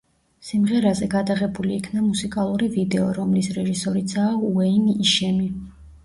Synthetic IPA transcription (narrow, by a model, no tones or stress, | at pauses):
simʁɛɾazɛɡad̪aʁɛbuliːkʰnamusikʼalˠuɾivid̪ɛɔɾɔmlisɾɛʒisɔɾit̪sʰaːuɛiniʃɛmi